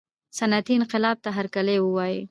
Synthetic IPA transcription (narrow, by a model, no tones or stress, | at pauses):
sanat̪iɪnqɪlɑb̚t̪aɦaɾkalewəwɑji